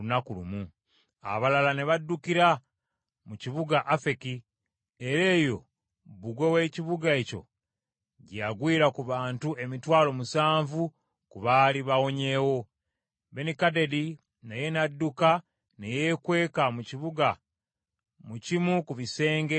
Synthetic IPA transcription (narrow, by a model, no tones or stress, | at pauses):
unakulumu | a̰βalalane̞βadːukiɾa | muciβuɡaʔafe̞ki | eɾe̞ːjo̞ | βuɡwewe̞ciβuɡae̞co̞̰ | ɟaɡwiːɾakuβaːntue̞mitwaːlo̞musaːɱvu | kuβaliβawo̞ɲe̞wo̞ | βe̞nikade̞di | naje̞nadːuka | nejekwe̞ːkamuciβuɡa | mucimukuβise̞ːŋɡe